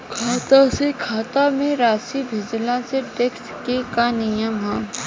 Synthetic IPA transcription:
kʰaːt̪asekʰaːt̪amẽɾaːsibʱɪd͡ʒlãseʈekskekanɪjəmɦãː

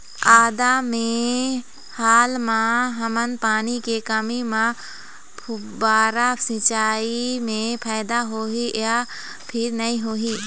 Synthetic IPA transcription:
aːd̪amẽ | haːlmãɦəmənpaːnikekəmimã | pʰʊ | baːɾasɪ̃t͡ʃaːimẽpʰaːɪd̪aɦoːɦiʔa | pʰɪɾnɐĩɦoːɦiː

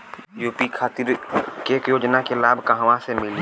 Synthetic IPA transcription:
juːpikʰaːt̪ɪɾkeːkjoːd͡ʒnakelaːbʱkaɦʋãsemɪl

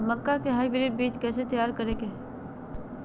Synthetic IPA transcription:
məkːakeɦaːibɪɾiːɾbiːt͡ʃkɛːset̪əjaːɾkɐɾẽːɡe

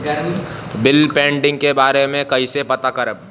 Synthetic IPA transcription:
bɪlpẽːɳɖɪ̃ŋɡkebaːɾemẽkɐɦisepɐt̪akɐɾəb̚

